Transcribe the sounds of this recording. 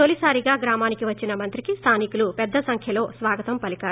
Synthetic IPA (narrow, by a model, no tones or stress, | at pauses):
olisaːɾiɡaːɡɾaːmaːnikiʋɐt͡ʃːinɐmɐnt̪ɾikist̪ʰaːnikulupɛd̪ːɐsɐŋkʰjɐlo̞ːsʋaːɡɐt̪ɐmpɐlikaːɾu